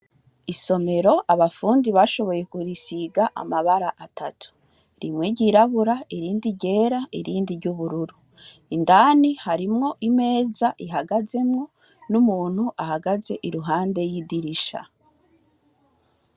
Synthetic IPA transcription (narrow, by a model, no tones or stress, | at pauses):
iso̞me̞ɾo̞ʔaβafuːndiβaʃo̞βo̞je̞kuɾisiɡaʔa̰maβaɾaʔatʰatʰu̥ | ɾimweɟiɾaβuɾaiɾiːndiɟe̞ːɾaiɾiːndiɾɟuβuɾuɾu | indaːnihaɾimŋo̞ʔime̞ːzaʔiɦaɡaze̞mŋo̞ | numuːn̥huʔahaɡaze̞ʔiɾuɦaːnde̞jidiɾiʃa̰